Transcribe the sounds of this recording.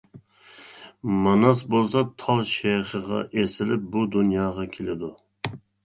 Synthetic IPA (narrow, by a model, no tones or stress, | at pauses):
mɑnɑsbolˠsɑt̪ʰɑlˠʃejχəʁɑ̰ʔesɪlɪp̚bud̪unjɑːʁɑkʲʰelɪd̪u